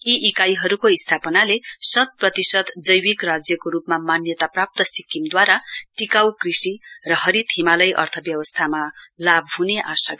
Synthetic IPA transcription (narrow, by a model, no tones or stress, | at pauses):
iʔikajɦʌɾukoist̪ʰapʌnalesʌd̪̚prʌt̪isʌd̪d͡zʌjwikrad͡zjʌkoɾupmamanjʌt̪aprap̚t̪ʌsikːimd̪waɾaʈikawkrisirʌɦʌɾit̪ʰimalʌjʔʌ̰rt̪ʰʌbjʌwʌst̪ʰamalab̚ʱɦuneʔasa